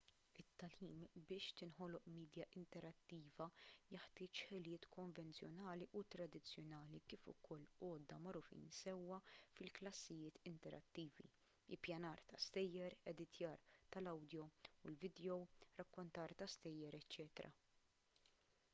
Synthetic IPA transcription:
ɪt̪ːɐliːmbɪːʃt̪ɪnħɔlɔʔmiːd̪jɐʔɪnt̪ɛɾɐt̪ːiːvɐjɪħt̪ɪːt͡ʃħɪljɪːt̪kɔɱvɛnt͡sjɔnɐːliʔʊt̪ɾɐd̪ɪt͡sːjɔnɐːlikiːfʊ̰kʰɔlːɔːd̪ːɐmɐɾʊfḭːnsɛwːɐfɪlklɐsːɪjɪːt̪ɪnt̪ɛɾʔɐ̰t̪ːiːvḭ | ɪlpjɐnɐːɾt̪ɐst̪ɛjːɛɾɛd̪ɪt̪jɐːɾt̪ɐlɐwd̪jɔulvɪd̪ɛjɔwɾɐkːɔnt̪ɐːɾt̪ɐst̪ɛjːɛɾɛt͡ʃːɛːt̪ɾɐ̰

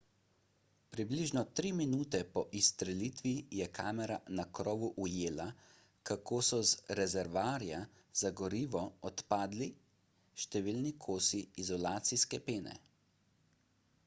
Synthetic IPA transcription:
pɾibliʒnɔt̪ɾiːminuːt̪ɛpɔʔist̪ɾɛliːt̪ʋijɛkʰaːmɛɾanakɾɔːʋuʔujeːla | kakʰoːsɔzɾɛzɛɾʋaːɾja | z̥aɡɔɾiːʋɔɔt̪paːd̪li | ʃt̪ɛʋiːlnikʰoːsiːzɔlaːt̪siskɛpeːnɛ̰

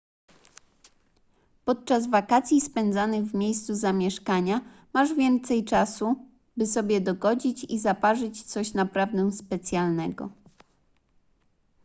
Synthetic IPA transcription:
pɔt̪̚t͡ʂazvakat̪sʲjispɛnd̪zanɘɣvmʲjejst̪suzamʲjɛʂkaɲa | maʐvʲjɛnt̪sɛjt͡ʂasu | bɘsɔbʲjɛd̪ɔɡɔd͡ʑit͡ɕizapaʐɘt͡ɕt̪sɔɕnapɾavd̪ɛw̃spɛt̪sʲjalnɛɡɔ̰

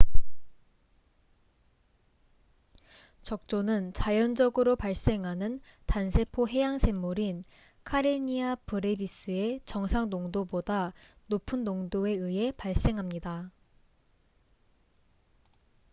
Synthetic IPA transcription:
t͡ɕʌk̚t͡ɕ͈onɯnt͡ɕajʌnd͡ʑʌɡɯɾopaɭs͈e̞ŋɦanɯntansʰe̞pʰoɦe̞jaŋsʰe̞mːuɾin | kʰaɾeɲiapɯɾe̞bis͈ɯe̞t͡ɕʌŋsʰaŋnoŋdoboda | nopʰɯnːoŋdoe̞ɯe̞paɭs͈e̞ŋɦamɲida

